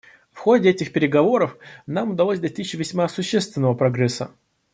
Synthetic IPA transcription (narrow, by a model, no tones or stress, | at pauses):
fxo̞dʲɪɛtʲɪxpʲɪɾʲɪɡɐvo̞ɾəfnamʊd̪ɐlˠosʲd̪ɐsʲtʲit͡ɕɪvʲɪsʲmasʊɕːest̪vʲɪnːəvəpɾɐɡɾɛsːə